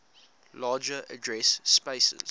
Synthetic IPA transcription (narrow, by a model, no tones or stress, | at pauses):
lɑːd͡ʒəʔə̰dɹɛsspeɪsə̰z̥